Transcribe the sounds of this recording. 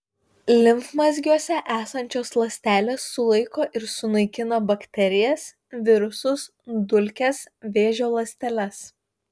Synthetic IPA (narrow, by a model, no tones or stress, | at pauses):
lʲɪmfmɐzʲɡʲuɔsʲɛʔæːsɐnʲt͡ʃʲoːslˠɐsʲt̪ʲæːlʲeːsːʊlˠɐɪkoːʔɪɾsʊnɐɪkʲɪnɐbɐkʲt̪ʲɛɾʲɪjɛs | ʋʲɪɾʊsʊs | d̪ʊlʲkʲɛsʋʲeːʒʲoːlˠɐsʲt̪ʲɛlʲɛs